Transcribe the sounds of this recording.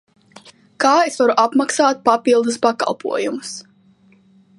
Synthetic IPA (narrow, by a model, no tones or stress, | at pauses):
kaːesvaɾuʔapmaksaːt̪̚papilˠd̪uspaka̰lˠpʰṵɔjumus